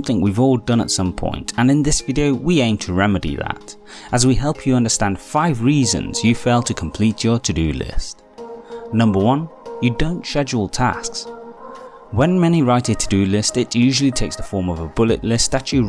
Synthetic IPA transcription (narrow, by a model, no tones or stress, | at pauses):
mθɪ̃ŋwivɔlˠdʌ̃nə̰tsʌ̃mpʰɔ̰̃ɪ̃ntʰɨ̃nɨ̃nðɪsvɪɾioʊwiẽɪ̃mtʰɨɹɛmɨɾḭðə̰ɾ | əzwiɦɛlˠpʰjɨʌ̃ndə˞stæ̃nd̥faɪvɹizɨ̰̃nz̥jɨfeɪlˠtʰɨkʰm̩pʰl̥it͡ʃə˞ɾʰɨdɨ̰lɪ̰st̚ | nʌ̃mbə˞wʌ̃njɨdõʊ̃ntʃɛd͡ʒl̩ˠtʰæ̰sks | wə̃nmɛniɹaɪɾɨd̚tʰɨdɨlɪstɨtjʉʒl̩ˠitʰeɪksðəfɔɹmʌvəbʊlˠɨ̰ʔˡlɪst̪ðɨt͡ʃɨ